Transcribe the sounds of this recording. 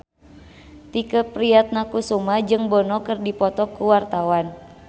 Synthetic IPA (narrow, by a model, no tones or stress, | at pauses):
t̪ikəpɾiat̪̚nakusumad͡ʒɨŋbɔnɔkɨrdipɔt̪ɔkuwart̪awan